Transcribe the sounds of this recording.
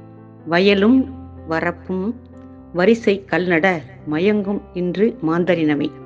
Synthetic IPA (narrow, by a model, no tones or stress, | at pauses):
ʋɐjɐlɯmʋɐrɐpːɯm | ʋɐɾɪsɐɪkɐɭnɐɽɐ | mɐjɐŋɡɯmɪndrɯmaːnd̪ɐɾɪnɐmɐ̰ɪ